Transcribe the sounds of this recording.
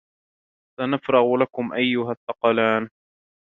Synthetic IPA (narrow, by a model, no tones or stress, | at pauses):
sanafɾˤɑɣlakʊmʔajːʊɦat̪ːɑqɑlaːn